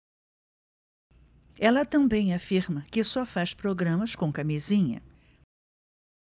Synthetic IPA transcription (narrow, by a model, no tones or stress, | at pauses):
ɛlɐt̪ɐ̃mbẽj̃afiɾmɐkɪsɔfaspɾoɡɾɐ̃mɐskõkamizĩɲɐ̰